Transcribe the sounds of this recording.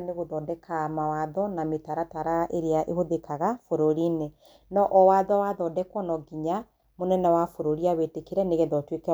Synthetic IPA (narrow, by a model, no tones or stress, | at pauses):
neɣoðɔdɛkʰamawaðɔnametaɾataɾaʔeɾeaʔḛhoðekaɣafoɾoɾine | nɔʔɔwaðɔwaðɔdɛkwɔnɔɡiɲa | monɛnɛwafoɾoɾiaβetekeɾɛneɣɛðɔtwekɛ